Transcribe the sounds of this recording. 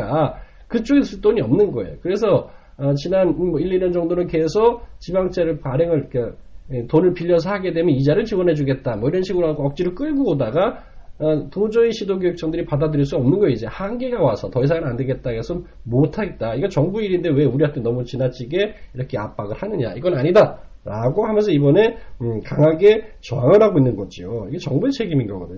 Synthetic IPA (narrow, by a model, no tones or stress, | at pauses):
a | kɯt͡ɕ͈oɡes͈ɯɭt͈oɲiʌmnɯnɡʌe̞̰jokɯɾe̞sʰʌː | t͡ɕinanmʌiʎːiɲʌnd͡ʑʌŋdonɯnke̞sʰʌt͡ɕibaŋt͡ɕʰeɾɯɭpaɾeŋɯɾk͈atonɯɭpiʎːʌs̬ʰʌɦaɡe̞dwe̞mjʌnid͡ʑaɾɯɭt͡ɕiwʌnɦed͡ʑuɡe̞t̚t͈amʌiɾʌnɕʰiɡɯɾoɦaɡoʌk̚t͡ɕ͈iɾɯɭk͈ɯɭbuɡodaɡa | tod͡ʑʌiɕʰidoɡoɦeks͈ʌŋdɯɾipadadɯɾiɭs͈uʌmnɯnɡʌjoid͡ʑe̞haŋɡe̞ɡawasʰʌtʌisʰaŋɯɾande̞ɡe̞t̚t͈aɡʌsʰɯnmotʰaɡe̞t̚t͈aiɡʌt͡ɕʌŋbuiɾindewe̞uɾiɦatʰenʌmut͡ɕinat͡ɕ͈ʰiɡe̞iɾʌkʰe̞a̰p͈aɡɯɭhanɯɲa̰iɡʌnaɲida | ɾaɡohamjʌnsʰʌibʌne̞kaŋaɡe̞t͡ɕʌaŋɯɭɦaɡoinːɯnɡʌd͡ʑioiɡet͡ɕʌŋbut͡ɕʰe̞ɡiminɡʌɡʌdɯɲ